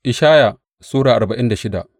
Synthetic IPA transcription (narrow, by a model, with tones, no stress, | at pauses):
ʔɪ˨ʃaː˦ja˨ | suː˦ɽaː˨ʔa˨rbɐ˨ʔɪ˦nda˨ʃɪ˦da̰˨ʔ